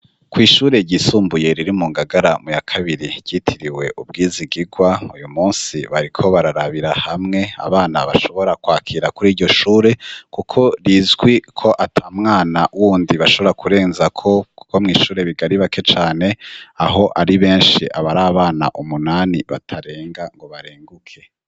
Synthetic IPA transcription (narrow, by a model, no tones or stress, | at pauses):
kwiːʃuːɾe̞ɟisuːmbuje̞ɾiɾimuːŋɡaɡaɾamujakʰaβiɾi̥ɟ̥itʰiɾiwe̞ʔubɡiːziɡiɡwaujumuːnsiβaɾikʰo̞βaɾaɾaβiɾahamŋe̞a̰βaːna̰βa̰ʃo̞βo̞ɾakwaːkʰiɾakuɾiːɾɟo̞ʃuːɾe̞kukʰo̞ɾizɡwikʰo̞ʔatʰamŋaːnawuːndiβaʃo̞βoɾakʰuɾe̞ːnzakʰo̞ku̥ko̞mŋiːʃuːɾe̞βiɡaɾiβakʰe̞t͡ʃaːne̞aɦo̞ʔaɾiβe̞ːnʃḭʔaβaɾaːβaːna̰ʔumunaːniβa̰tʰaɾe̞ːŋɡaŋɡo̞βaɾeːŋɡukʰe̞